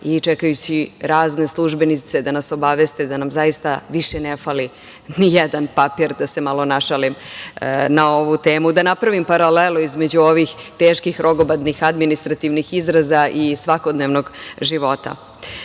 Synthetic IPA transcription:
it͡ʂɛkajut͡ɕiɾaːzne̞slˠuʒbe̞nit̪sed̪anaso̞baʋest̪ed̪anamzajist̪aʋiʃenefali | nijɛd̪anpapiɾd̪ase̞malˠo̞naʃalim | nao̞ʋut̪e̞ːmud̪anapɾaʋimpaɾaleloizme̞d͡ʑuo̞ʋixt̪eːʃkixɾo̞ɡobad̪nixad̪minist̪ɾat̪iʋnixizɾazaʔisʋako̞d̪neʋnoɡʒiʋo̞t̪a̰

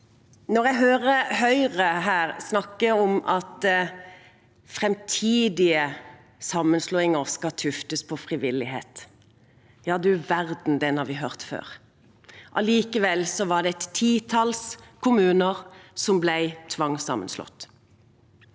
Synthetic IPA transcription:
nɔʁjæɡɦøːʁəhœʏʁəɦæːʁsnɑkːəɔmɑt̪ | fʁɛmt̪ʰiːd̪ɪə | sɑmːənsluːɪŋəʁskɑt̪ʰʉft̪əspʰɔfʁɪʋɪlɪɦḛːt̪ | jɑːd̪ʉʋæʁd̪n̩d̪ɛnhɑʁʋɪɦœʁt̪fø̰ːʁ | ʔɑliːkəʋɛlsɔʋɑd̪ɛt̪t̪ʰːiːt̪ʰɑlskʰʊmʉːnəʁsɔmblæɪt̪ʰʋɑŋsɑ̰mə̰nslɔ̰t̪ː

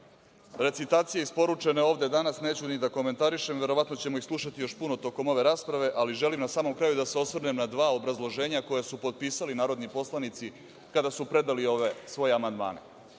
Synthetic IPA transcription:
ɾe̞t̪sit̪aːt̪sije̞ispo̞ɾut͡ʂe̞ne̞o̞ʋd̪e̞d̪anasneːt͡ɕunid̪ako̞me̞nt̪aɾiʃemʋe̞ɾo̞ʋat̪no̞t͡ɕemo̞ixslˠuʃat̪ijo̞ʃpunot̪o̞ko̞mo̞ʋe̞ɾaːspɾaʋe̞ʔaliʒe̞limnasaːmo̞mkɾaːjud̪aseo̞sʋr̩ne̞mnad̪ʋaːobɾazlˠo̞ʒe̞ːɲako̞jesupo̞d̪̚piːsalinaːɾo̞d̪nipo̞slˠanit̪si | kad̪asupɾe̞d̪alio̞ʋesʋo̞jeamand̪ma̰ːnḛ

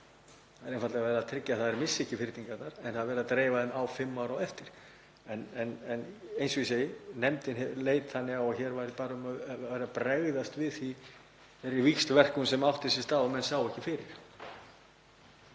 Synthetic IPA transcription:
θaðɛɾenfat̪lɛɣavɛːɾaðt̪ʰɾɪcːaθaðɛɾmɪsːɛhcːɪfɪɾt̪iŋkaɾt̪naɾɛnθaðɾvɛːɾðat̪ɾeːjvaðɛmawfɪmːawɾawɛft̪ɪɾ̥ | ɛnɛnɛnejnsɔisejɪnɛmt̪ɪnɛɾleːjt̪θanːɪɣaɔçɛɾvajɾɪpaːɾaʏmaːɾapɾɛɣðast̪vɪðθθi | ɛɾivikst̪vɛr̥kʏnsɛmawht̪ɪsɪst̪aːwɛmɛnsaːwɛhcɪfɪːɾɪ̰ɾ̥

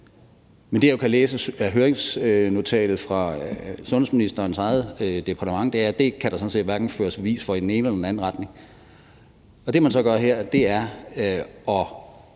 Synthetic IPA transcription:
mend̥e̝jokʰæleːsəæɦøːɐeŋsno̝t͡sʰɛ̰ːlð̩ˠfʁɑ̈sɔ̽nhesminisd̥ɐensɑ̈ɪð̩ˠd̥e̝pʰɑ̈dʰəmɑ̈ŋ̰d̥e̝æɐd̥e̝kʰæɾ̥ɑsɒ̽n̩se̝̰ːd̥ʋæɐɡ̥n̩føːɐsʋ̥eʋḭːsfɒ̽id̥ene̝ːnəelɐd̥enæn̩ʁɑd̥ne̝ŋ | ɒ̽d̥e̝mænsɒ̽ɡ̥ɶɐɦeɐ̰d̥e̝æɐ | ɒ̽

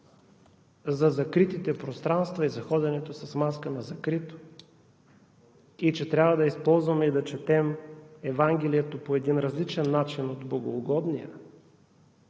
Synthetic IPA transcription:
zɐzɐkɾit̪it̪ɛpɾost̪ɾanst̪vɐizɐxɔd̪ɛnɛt̪osɐsmaskənɐzɐkɾit̪o̥ | it͡ʃɛt̪ɾʲavɐd̪ɐispɔlˠzvɐmɛid̪ɐt͡ʃɛt̪ɛmɛvaŋɡʲɛlijɛt̪opoɛd̪inɾɐzlit͡ʃɛnːat͡ʃinod̪blˠɐɡoːɡɔd̪nijə̰

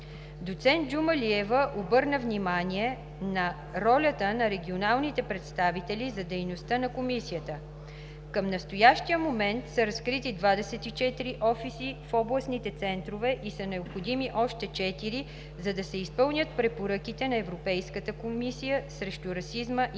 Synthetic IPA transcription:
d̪ot̪sɛnt̪̚d͡ʒumɐliɛvəʔobɤɾnəvnimanʲiɛ | nɐ | ɾɔlʲət̪ənɐɾɛɡʲionalˠnit̪ɛpɾɛt̪st̪avit̪ɛlʲizɐd̪ɛjnost̪ənɐkomisijət̪ə | kəmnɐst̪ojaʃt̪ijəmomɛnt̪səɾɐskɾit̪id̪vad̪ɛsɛt̪it͡ʃɛt̪iɾiʔɔfisifɔblˠɐsnit̪ɛt̪sɛnt̪ɾovɛʔisɐnɛopxod̪imiʔɔʃt̪ɛt͡ʃɛt̪iɾi | zɐd̪ɐsɛispɤlˠnʲət̪̚pɾɛpoɾɤkit̪ɛnɐɛvɾopɛjskət̪əkomisijəsɾɛʃt̪uɾɐsizməʔ

